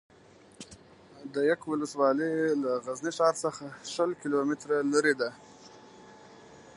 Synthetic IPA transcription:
d̪əjakwʊləswɑlilaɣazniʃɑɾsəxaʃəlkilomɪt̪ɾalaɾed̪a

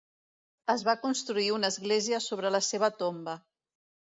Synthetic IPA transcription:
əzβakunst̪ɾuiunəzɣleziəsoβɾələseβ̞ət̪ombə

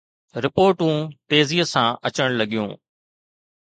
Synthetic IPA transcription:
ɾɪpoːɾʈũːt̪eːziːəsãːʔɐt͡ɕəɽ̃lɐɠijṵ̃ː

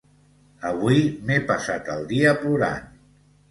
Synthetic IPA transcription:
əβuimepasat̪əlˠd̪iəpluɾa̰n

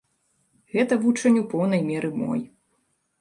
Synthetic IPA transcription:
ɣɛt̪ɐvut͡ʂɐnʲupɔwn̪ɐjmʲɛɾɨmɔ̰j

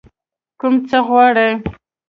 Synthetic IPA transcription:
kumt͡səɣwɑɽe

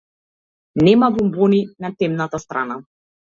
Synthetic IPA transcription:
nɛmabumbɔninat̪ɛmnat̪ast̪ɾa̰na

